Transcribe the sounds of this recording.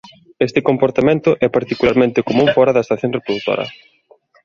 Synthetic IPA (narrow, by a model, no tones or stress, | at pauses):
est̪ɪkompoɾt̪amẽnt̪ʊʔɛpaɾt̪ikulaɾmẽnt̪ɪkomũŋfɔɾɐðɐest̪aθjoŋrepɾoðut̪o̰ɾɐ̰